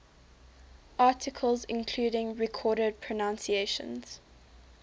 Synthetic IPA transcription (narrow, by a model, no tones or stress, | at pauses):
ʔɑˑtʰɪkʰəlˠzɪ̃nkʰl̥uːɾɪ̃ŋɹɛkʰɔːɾəd̚pʰɹ̥ənãnsieʃə̰̃nz̥